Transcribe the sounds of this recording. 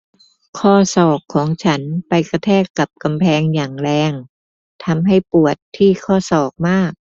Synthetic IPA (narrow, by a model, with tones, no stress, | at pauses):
kʰɔː˥˩sɔː˨˩kʰːɔː˩˦ŋt͡ɕʰa˦˥npa˧jka˧t̪ʰɛː˥˩kːa˨˩p̚ka˧mpʰɛː˧ŋjaː˨˩ŋlɛː˧ŋ | t̪ʰa˧mɦa˥˩jpu˨˩ət̪ʰːiː˥˩kʰɔː˥˩sɔː˨˩k̚maː˥˩k̚